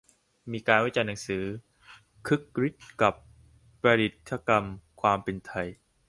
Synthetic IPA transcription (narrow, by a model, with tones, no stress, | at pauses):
miː˧kaː˧nwa˦˥˩t͡ɕa˧jnːa˩˦ŋsɯː˩˦ | kʰɯ˦˥kːɾi˦˥t̪̚ka˨˩pː | ɾa˧ɾi˨˩t̪̚t̪ʰːa˧ka˧mkʰwaː˧mpe˧nt̪ʰa˧j